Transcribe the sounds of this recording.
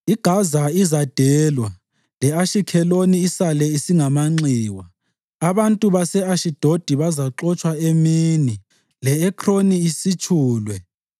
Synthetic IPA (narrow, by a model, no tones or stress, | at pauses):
iɡ̥ʱazaizad̥ʱɛːlwa | lɛaʃikʰɛloniːsalɛisiŋamaŋ͡ǀiːwaː | βantʼuβasɛaʃid̥ʱod̥ʱiβazaǁɔt͡ʃʼwaemiːni | lɛɛkʰroniisit͡ʃʰʼuːlwɛ